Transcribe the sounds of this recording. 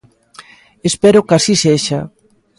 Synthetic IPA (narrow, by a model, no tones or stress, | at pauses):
espɛɾʊkasiseʃa